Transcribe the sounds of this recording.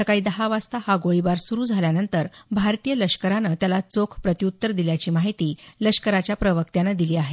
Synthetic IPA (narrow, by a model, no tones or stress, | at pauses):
səkaɭiːd̪əɦaʋast̪ahaɡoɭibaɾsuɾuːd͡zʱaljanənt̪əɾbʱaɾt̪ijələʂkəɾanət̪jalat͡sokʰpɾət̪iut̪ːəɾd̪iljat͡ɕiːmaɦit̪iːləʂkəɾat͡ɕjapɾəʋək̚t̪janəd̪iliːaɦe